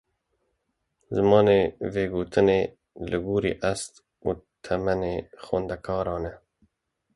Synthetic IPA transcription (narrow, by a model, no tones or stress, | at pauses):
zɨmɑːneːveːɡuːt̪ʰɨneː | lɨɡuːɾḭːʔæst̪ | ṵːt̪ʰɛmɛneːxɛnd̪ækʰɑːɾɑːnɛ